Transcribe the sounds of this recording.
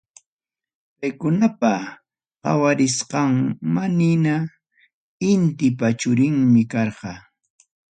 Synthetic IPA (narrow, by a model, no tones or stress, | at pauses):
pajkʊnapa | qɑ̰waɾɪsqɑŋmanɪna | ɪnt̪ɪpat͡ʃʊɾɪŋmɪkɑɾɢɑ